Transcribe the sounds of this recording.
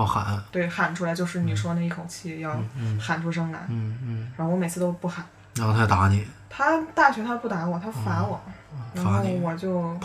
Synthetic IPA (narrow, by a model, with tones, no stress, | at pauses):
ɑ˥˩xa̰˨˩˦t̪we˥˩ɪxa˨˩nʈ͡ʂʰu˥la˧˥ɪt͡ɕjo˥˧ʊʂ̬ɻ̩˥˩ni˨˩ʂwɔ˥na˧i˥˩kʰo˨˩ʊt͡ɕʰi˥˩jɑ˥˩ʊxa˨˩nʈ͡ʂʰu˥ʂ̬ɤ˥ŋla̰˧˥na˧˥xo˥˧wɔ˧˥me˨˩ɪt͡sʰɹ̩˥˧t̪o˥ʊpu˥˩xa˨˩˦ | ɻa˧˥xo˥˧a˥˩t̪a̰˧˥nḭ˨˩˦t̪ʰa˥t̪a˥˩t͡ɕʰɛ˧˥t̪ʰa˥pu˥˩t̪a˧˥wɔ˨˩˦t̪ʰa˥fa˧˥nwɔ˨˩˦ɻa˧˥nxo˥˩ʊwɔ˨˩t͡ɕjo˥˩ʊ